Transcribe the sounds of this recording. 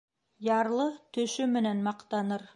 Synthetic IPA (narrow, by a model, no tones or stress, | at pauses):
jɑɾlˠət̪ʰɵʃɪmɪnenmɑqt̪ɑnəɾ